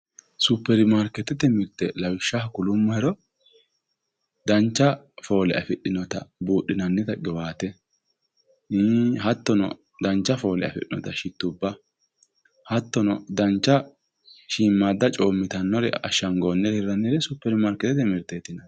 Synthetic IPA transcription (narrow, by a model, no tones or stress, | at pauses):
sʊpːɛɾɪmaɾkːɛt̪ːɛt̪ɛmɪɾt̪ɛlɐwɪʃːɐhkʊlʊmːɐhɛɾɔ | d̪ɐnt͡ʃːɐfo̞ːlɛɐfɛɗːɪnɔt̪ɐ̰buːʔːɪnɐnːɪt̪ɐɡɛwaːt̪ɛ | hɐt̪ːɔnɔ̰ | d̪ɐnt͡ʃːɐfo̞ːlɛ̰ɐ̰fɛ̰ɗɪnɔ̰t̪ɐʃɪt̪ːʊbːɐ | hɐt̪ːɔnɔd̪ɐnt͡ʃːɐ | ʃiːmːaːd̪ːɐt͡ʃʼo̞ːmːɪt̪ɐnːɔɾɛ̰ɐ̰ʃɐŋɡoːnːɛhɛɾːɐnːɪɾɛsʊpːɛɾɪmaɾkːɛt̪ːɛt̪ɛmɪɾt̪ːɛt̪ːɪnɐ